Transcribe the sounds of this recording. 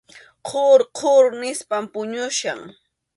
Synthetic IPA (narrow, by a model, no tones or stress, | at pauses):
qʰoɾqʰoɾnɪspampʊɲʊʃa̰ŋ